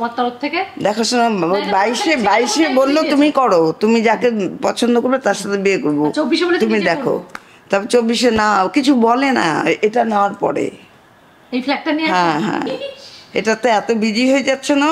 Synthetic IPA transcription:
ɔmat̪ɔɾoft̪ʰeked̪ɛkʰoʃonabajʃebajʃebolːot̪umikɔɾot̪umid͡ʑakepɔt͡ɕʰond̪okoɾbet̪aɾʃat̪ʰebeekoɾboobːiʃeolt̪umid̪ɛkʰo̰ | t̪ɔbet͡ɕobːiʃenaakit͡ɕʰubɔlena̰eʈanaoaɾpɔ̰ɾḛ | ejflɛk̚ʈaniɦɛ̃ɦɛ̰̃ | ḛʈat̪oɛt̪obidiɦoed͡ʑatːɕʰona

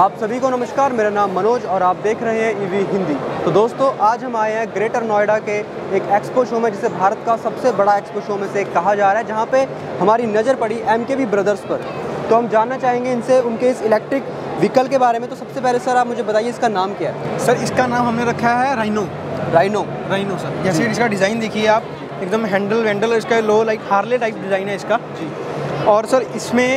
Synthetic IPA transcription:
aːpsɐbʱikonɐməʃkaːɾmeːɾanaːmːɐnoːd͡ʒɔːɾaːp̚d̪eːkʰɾɐɦẽɦɛ̃iːʋiɦɪ̃nd̪iːt̪od̪oːst̪õʔaːd͡ʒɦɐmaːeɦɛ̃ɡɾeːʈəɾnɔːɪɖakeː | keːkspoʃoːmɛ̃d͡ʒɪsebʱaːɾət̪kasɐbsebɐɽaeːkspoʃoːmẽsekːɐɦad͡ʒaːɾaːɦɛd͡ʒɐɦãpe | hɐmaːɾinɐzəɾpɐɽiʔɛːmkebʱibɾɐd̪əɾspɐɾ | t̪oɦɐmd͡ʒaːnːat͡ʃaːɦẽːŋɡeɪnseʊnkeɪsɪlɛːk̚ʈɾɪk | ʋɪkəlkebaːɾemẽt̪osɐbsepɛːlesɐɾaːpmʊd͡ʒʱebɐt̪aːieɪskanaːmkjaːɦɛːsɐɾɪskanaːmɦɐmneɾɐkʰːaɦɛɾaːɪnoː | ɾaːɪnoː | ɾaːɪnosɐɾjɛːseɪskaɖɪzaːɪnd̪eːkʰieaːp | eːk̚d̪əmɦɛ̃ːɳɖəlʋɛ̃ːɳɖəlːɾɪskaloːlaɪkhaːɾleʈaːɪp̚ɖɪzaːɪnɦɛɪskad͡ʒiː | ɔːɾsɐɾɪsmẽ

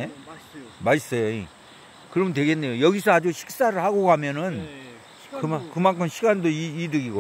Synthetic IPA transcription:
e | mas͈ʌjoi | kɯɾʌmɯntweɡenːe̞jojʌɡisʰʌad͡ʑuɕʰi̥k̚s͈aɾɯɭhaɡoɡɦamjʌnɯn | kɯmakɯmaŋkʰɯmɕʰiɡandoiidɯɡiɡo

